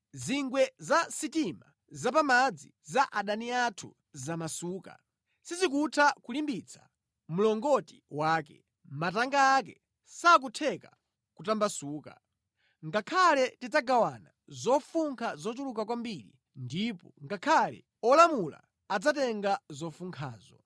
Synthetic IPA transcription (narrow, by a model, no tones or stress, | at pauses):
ziŋɡwɛzasitima | zapamad͡zi | zaʔaɗaniatʰṵ | zamasuːka̰ | sizikutʰakulimbit͡sʰḁ̰ | mulɔŋɡɔti̥waːk̬ɛ̰ | mataŋɡaːk̬ɛ | sak̬utʰɛka | kutambasuːka̰ | ŋɡakʰalɛtizaɡawana | zɔfuŋkʰazɔtulukakwambiɾḭ | ndipɔŋɡakʰalɛ̰ | ɔlamula̰ | ad͡zatɛŋɡazɔfuŋkʰaːzɔ̰